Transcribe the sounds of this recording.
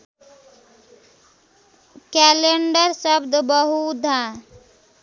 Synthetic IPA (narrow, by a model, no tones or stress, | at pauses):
kɛːleɳɖəɾsəbd̪bəɦud̪ʱãː